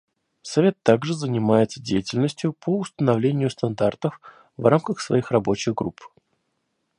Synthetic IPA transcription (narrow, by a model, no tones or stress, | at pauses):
sɐvʲe̞t̪ːaɡʐɨzənʲɪmajɪt̪sədʲejɪtʲɪlʲnəsʲtʲjʊpʰəʊst̪ənɐvlʲenʲɪjʊst̪ɐnd̪art̪əf | vramkəxsvɐ̰ixrɐbo̞t͡ɕɪɣɡɾup